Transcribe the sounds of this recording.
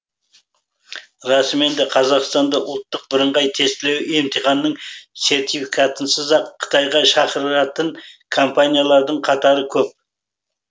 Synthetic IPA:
ɾɑsme̞nd̪eqʰɑzɑqst̪ɑnd̪ɑʔʊlˠt̪ːəq̚bɪɾəɴʁɑjt̪ʰe̞st̪ɪle̞we̞mt̪ʰiχɑnːəɴse̞ɾt̪ifikʰat̪ənsəzɑqʰːə̥t̪ɑjʁɑʃɑqəɾəɾɑt̪ənkʰompanʲijalˠɑɾd̪əɴqʰɑt̪ɑɾəkʲʰɵp̚

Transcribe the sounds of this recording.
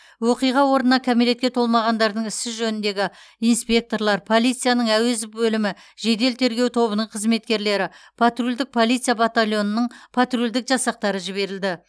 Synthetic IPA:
woqijʁɑwo̞ɾnənɑkʲʰamele̞t̪̚kʲe̞t̪ʰo̞lˠmɑʁɑnd̪ɑɾd̪əɴɪsɪʒɵnɪnd̪e̞ɡʲɪ | ijnspʲe̞k̚t̪o̞ɾlˠɑɾpʰo̞lˠijt̪sɨijanəɴæwe̞zɪpbɵlɪmɪ | ʒe̞d̪e̞lt̪ʰe̞ɾɡʲe̞wt̪ʰo̞βənəɴqʰəzme̞t̪̚kʲe̞ɾle̞ɾɪpʰat̪rulʲd̪ɪk̚pʰo̞lˠijt̪sɨjabat̪alʲˠjo̞nənəɴpʰat̪rulʲd̪ɪkʒɑsɑq̚t̪ɑɾəʒɪβe̞ɾɪld̪ɪ

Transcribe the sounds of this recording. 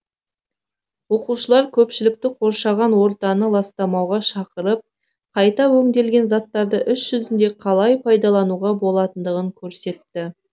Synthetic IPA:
wo̞quʃəlˠɑɾkʲʰɵpʃɪlɪk̚t̪ɪqʰo̞ɾʃɑʁɑnwo̞ɾt̪ɑnəlˠɑst̪ɑmɑwʁɑʃɑqəɾəp̚ | qʰɑjt̪ɑwɵŋd̪e̞lɡʲe̞nzɑt̪ːɑɾd̪əʔʏsʒ̥ʏzɪnd̪e̞qʰɑlˠɑjpʰɑjd̪ɑlˠɑnuʁɑbo̞lˠɑt̪ənd̪əʁəŋkʲʰɵɾse̞t̪ːɪ

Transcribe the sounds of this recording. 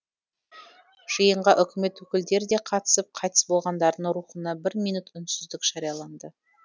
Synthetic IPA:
ʒ̥əjəɴʁɑʔʏkʲɪme̞t̪wɵkʲɪld̪e̞ɾɪd̪e̞qʰɑt̪ə̥səp̚qʰɑjt̪ə̥sbo̞lˠʁɑnd̪ɑɾd̪əɴɾuχənɑbɪɾmijnut̪ʏnsʏzd̪ɪkʒ̥ɑɾijɑlˠɑnd̪ə

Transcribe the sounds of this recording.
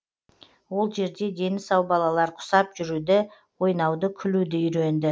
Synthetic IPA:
wo̞lˠʒe̞ɾd̪e̞d̪e̞nɪsɑwbɑlˠɑlˠɑɾqʰʊ̥sɑpʒʏɾud̪ɪ | wo̞jnɑwd̪əkʲʰʏlud̪ɪʏɾe̞nd̪ɪ

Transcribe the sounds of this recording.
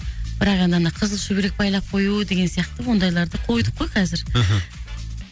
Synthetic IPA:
b̥ɪɾɑqɑnd̪ənd̪ɑqʰəzəlˠʃɵbeɾek̚bɑjlˠɑp̚qʰo̞jud̪e̞ɡʲensijɑq̚t̪əwo̞nd̪ɑjlˠɑɾd̪əqʰo̞jd̪əp̚qʰːojqʰɑzɪɾ

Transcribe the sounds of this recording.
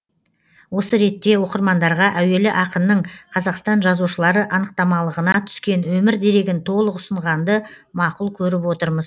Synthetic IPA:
wo̞səɾe̞t̪ːe̞wo̞qəɾmɑnd̪ɑɾʁɑʔæwe̞lɪʔɑqənnəɴqʰɑzɑqst̪ɑnʒɑzuʃəlˠɑɾəʔɑnəq̚t̪ɑmɑlˠəʁənɑt̪ʰʏ̥skʲe̞nwɵmɪɾd̪e̞ɾe̞ɡʲɪnt̪ʰo̞lˠəqʊsəɴʁɑnd̪ə | mɑqʊlˠkʲʰɵɾɪpwo̞t̪əɾməz

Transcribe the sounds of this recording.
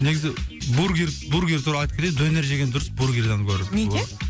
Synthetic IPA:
neɡʲɪzɪbuɾɡʲiɾbuɾɡʲeɾt̪ʰuɾɑɑjt̪ə̥kʲʰɾed̪ɵneɾʒeɡʲed̪ʊɾəsbuɾɡʲeɾd̪ɑnəp̚kʲʰɵɾd̪ɪ

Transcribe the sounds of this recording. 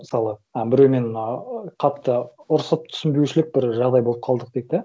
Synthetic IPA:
məsɑlˠəæbɪɾewme̞nnɑqʰɑt̪ːəʊɾsəp̚t̪ʰʏ̥sɪmbewʃɪlɪk̚bɪɾʒɑʁd̪ɑjbo̞lˠəp̚qʰɑlˠd̪əq̚d̪̥ek̪̚d̪ɪ

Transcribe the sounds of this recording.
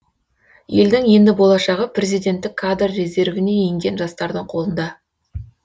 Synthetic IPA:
je̞ld̪ɪŋje̞nd̪ɪbo̞lˠɑʃɑʁəprʲe̞zijd̪ʲe̞nt̪ːɪkʰːad̪rːe̞ze̞ɾvɪne̞jeŋɡʲe̞nʒɑst̪ɑɾd̪əɴqʰo̞lˠənd̪ɑ

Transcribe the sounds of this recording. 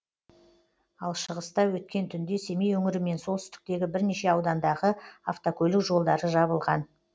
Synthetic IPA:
ɑlˠʃəʁəst̪ɑwɵt̪kʲe̞nt̪ʰʏnd̪e̞se̞mejwɵŋɪɾɪme̞nso̞lˠsʏ̥st̪ɪ̥k̚t̪e̞ɡʲɪbɪɾne̞ʃe̞ɑwd̪ɑnd̪ɑʁəaft̪okʲʰɵlɪkʒo̞lˠd̪ɑɾəʒɑbəlˠʁɑn

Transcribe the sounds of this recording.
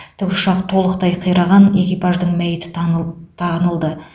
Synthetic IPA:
t̪ʰʏkʊ̥ʃɑqt̪ʰo̞lˠəqt̪ɑjqʰəjɾɑʁɑne̞kʲijpɑʒd̪əɴmæjɪt̪ɪ̥t̪ʰɑnəlˠd̪ə

